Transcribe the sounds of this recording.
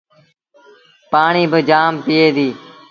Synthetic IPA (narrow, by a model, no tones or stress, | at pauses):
paːɳiːbəd͡ʒaːmpɪeːd̪iː